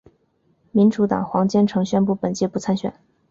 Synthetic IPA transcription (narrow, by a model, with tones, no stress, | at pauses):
mi˧˥nʈ͡ʂu˧˥t̪ɑ̰˨˩ŋxwɑ˧˥ŋt͡ɕjɛ˥nʈ͡ʂʰɤ˧˥ŋɕɥɛ˥npu˥˩pə˨˩nt͡ɕjɛ˥˧pu˥˩t͡sʰa˥nɕɥɛ̰˨˩n